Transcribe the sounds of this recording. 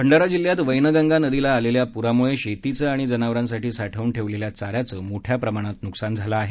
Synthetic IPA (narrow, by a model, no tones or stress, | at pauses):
pʰəɳɖaɾad͡ʑilːjat̪ʋəjnəɡaŋɡanəd̪ilaːleljapuɾamuɭeɕet̪it͡səaɽ̃id͡zənaʋɾãnsaʈiːsaʈʰəuːnʈʰeʋleljat͡saɾjat͡səːmoʈʰjapɾəmaɽ̃at̪nuksand͡zʱalaːɦe